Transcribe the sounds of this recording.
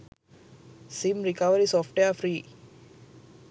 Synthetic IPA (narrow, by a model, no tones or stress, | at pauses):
simɾikɐʋəɾisɔːfʈeəfɾiː